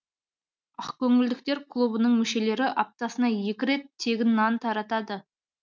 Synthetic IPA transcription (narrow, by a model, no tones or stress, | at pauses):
ɑqkʲʰɵŋɪld̪ɪkt̪e̞ɾkʰlˠubənəɴmʏʃe̞le̞ɾɪʔɑp̚t̪ɑsənɑje̞kʲɪɾe̞t̪ʰːe̞ɡʲɪnːɑnt̪ʰɑɾɑt̪ɑd̪ə